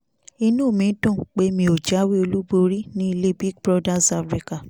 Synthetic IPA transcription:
i˧nũ˦˨mĩ˨˦tũ˦˨k͡pe˦mĩ˧o˨d͡ʒa˨˦wi˦o˧lu˦bo˧ɾi˦nĩ˦i˧le˦bi˦ɡ̚bɾɔ˦da˦sa˧˨fɾi˦ka˨

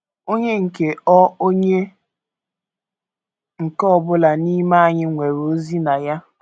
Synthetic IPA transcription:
o˦ɲe˦ŋ̩˨ke˨ɔ˦o˦ɲe˦ | ŋ̩˨kɔ˦bʊ˦la˨ni˦ma˦a˨ɲɪ˦ŋʷe˨ɾo˦zi˦na˨ja˦

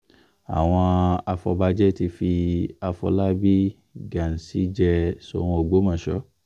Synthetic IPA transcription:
a̰˨w̃ɔ̃˧a˧fɔ̰˧ba˧d͡ʒɛ˦ti˧fi˧a˧fɔ̰˧la˦bi˦ | ɡã˨n̩˨si˨˦d͡ʒɛ˧so̰˨w̃ɔ̃˧o˨ɡ͡bo˨˦mã˨ʃɔ˦

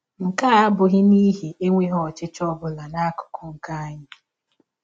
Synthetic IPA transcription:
ŋ̩˨ka˦a˦bʊ˨ɣɪ˦ni˦ɦe˨ʔe˦ŋʷe˦ɦɔ˦˨t͡ʃɪ˦t͡ʃɔ˦bʊ˦la˨na˦kʊ̥˨kʰɔ˨ŋ̩˨ka˦a˦ɲɪ˦

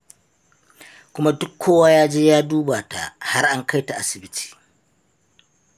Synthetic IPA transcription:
kʷʊ˦ma˦dʊ˦kʰːoː˦waː˦jaː˦d͡ʒeː˦jaː˦duː˦baː˨ta̰˨ha˦rʔa˦ŋka˦jta˨ʔa˦sɪ˨bɪ˦tʰi̥ː˨

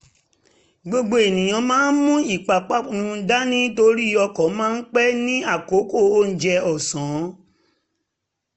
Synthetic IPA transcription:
ɡ͡bo˧ɡ͡bo˧˦e˨nĩ˨j̃ã˨˧mãː˨˦n̩˦mũ˦i˦˨k͡pa˨k͡pa˦˨nũ˧˦da˦nĩ˦to˧ɾi˦˨ɔ˧kɔ̃˨˦mãː˦n̩˦k͡pɛ˦nĩ˦a˦˨ko˨˦ko˦˨o˦n̩˨d͡ʒɛ˧ɔ˨sɔ̃˨˦

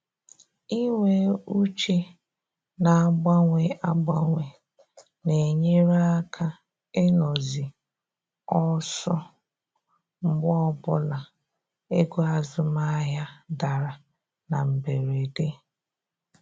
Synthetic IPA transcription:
i˦ŋʷe˦u˦t͡ʃe˦ | na˨a˨ɡ͡ba˦ŋʷe˨a˦ɡ͡ba˦ŋʷe˨ | ne˨ɲe˦ɾa˦a˦kʰa˦ | e˦nɔ˨zɪ˨ | ɔ˦sɔ˦ | ŋ͡m̩˦ɡ͡bɔ˦bʊ˦la˨ | e˦ɡu˦a˨zʊ˦ma˦ja˦da˨ɾa˨ | na˨m̩˨be˨ɾe˨de˦

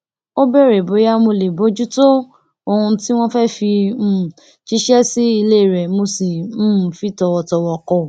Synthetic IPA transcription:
o˦bɛ˦˨ɾe˨bo˨˦ja˦mo˧le˨bo˨˦d͡ʒu˦to˦ | o˧hũ˧ti˦w̃ɔ̃˦fɛ˦fi˧m̩˦˨ | ʃi˦ʃɛ˦si˦i˧le˦˨ɾɛ˨mo˧sĩ˨˦˨fi˦tɔ˧wɔ˧tɔ˧wɔ˨kɔ˨

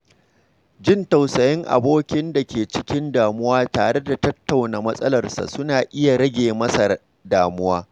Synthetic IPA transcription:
d͡ʒɪ˦ntɐ˨wsɐ˨jɪ˦ŋʔa̰˨boː˦kʲɪ˦nda˨kʲeː˨t͡ʃɪ̥˦kʲɪ˦ndaː˨mʊ˦waː˦taː˨ɽe˦da˨tɐ˦tːa˨wnaː˨mɐ˦sʼɐ˦lɐ˨rsa̰˨sʊ˦naː˨ʔɪ˦ja˨ɽɐ˦ɡʲeː˨mɐ˦sa˨ | daː˨mʊ˦waː˦

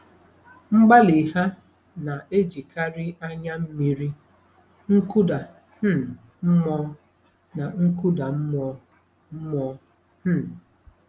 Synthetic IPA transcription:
ŋ͡m̩˦ɡ͡ba˦li˨ɦa˦ | na˨ʔe˦d͡ʒi˨ka˦ɾɪ˦ʔa˦ɲa˦m̩˦mi˦˨ɾi˦ | ŋ̩˦ku˦da˨ | h̩˦ | m̩˦mɔ˦ | na˨ŋ̩˦ku˦da˨m̩˦mɔ˨˦ | m̩˦mɔ˨˦ | m̩˦˨

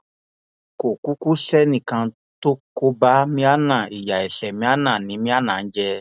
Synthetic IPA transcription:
ko˨ku˦ku˦sɛ˦nĩ˦˨kã˧ | to˦ko˧˦ba˦mĩ˧˦a˦nã˦˨i˨ja˨i˨ɬɛ˨mĩ˧˦a˦nã˦˨nĩ˨˦mĩ˦a˦nã˨n̩˦d͡ʒɛ˧

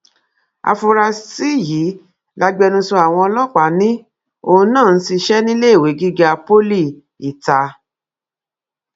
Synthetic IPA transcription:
a̰˧fo˧ɾa˧si˦˨ji˨˦ | la˧ɡ͡bɛ˧nũ˧sũ˧a˨w̃ɔ̃˧ɔ˧lɔ˦˨k͡pa˨˦nĩ˦ | õ˧˦nãː˦˨n̩˦ti˧ʃɛ˦nĩ˦le˦i˦˨we˨˦ɡi˦ɡa˧po˦li˦˨ | i˨ta˧

